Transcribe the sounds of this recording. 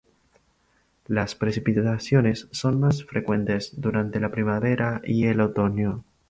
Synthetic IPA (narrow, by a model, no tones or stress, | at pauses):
laspɾe̞sipiasjo̞ne̞sːo̞nmas̬fɾekwe̞nt̪e̞zðuɾant̪e̞lapɾimaβeɾaie̞lot̪o̞njo